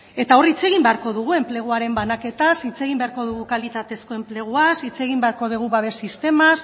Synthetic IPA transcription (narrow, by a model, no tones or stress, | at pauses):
e̞t̪ao̞rit͡se̞ɣimbe̞aɾko̞ðuɣ̞ue̞mple̞ɣ̞uaɾe̞mbanake̞t̪asit͡se̞ɣ̞imbe̞aɾko̞ð̞uɣ̞ukalit̪at̪e̞sko̞e̞mple̞ɣ̞uasit͡se̞ɣ̞imbeaɾko̞ð̞uɣ̞uβaβe̞sist̪e̞mas